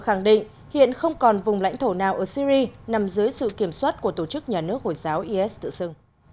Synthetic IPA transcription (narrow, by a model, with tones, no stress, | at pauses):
xa˧˩ŋɗḭ˧˨ŋ̟ | hḭ˧˨ənxə˧wŋ͡mkɔ˨˩nvʊ˨˩ŋ͡mla̰˧˥jŋ̟t̪ʰo˧˩naː˨˩wʔəː˧˩si˧ɾi˧na˨˩mzɨ˨˦jsɨ̰˧˨ki˧˩əmswaː˦˥t̚ku˧˩ət̪o˧˩t͡ɕɨ˦˥k̚ɲaː˨˩nɨ˦˥ək̚ho˧˩jzaː˨˦wʔi˧ʔɛ˦˥s̚t̪ɨ̰˧˨sɨ˧ŋ